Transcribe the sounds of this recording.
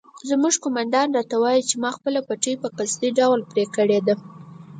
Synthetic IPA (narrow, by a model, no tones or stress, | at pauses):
zmuʒkomand̪ɑnɾɑt̪awɑjit͡ʃemɑxpəlapaʈəjpəqasd̪iɖawlpɾekəɽed̪a